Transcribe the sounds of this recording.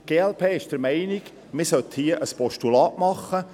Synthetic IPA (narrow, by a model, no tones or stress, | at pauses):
ɡ̥eːɛlpʰeːɪʃd̥əɾmɛɪniɡ | mɪsœt̪hiːəʔəspɔʃtulɑːʔmɑχːə